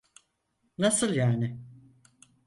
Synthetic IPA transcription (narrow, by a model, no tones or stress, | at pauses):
nasɯlˠjaːnɪ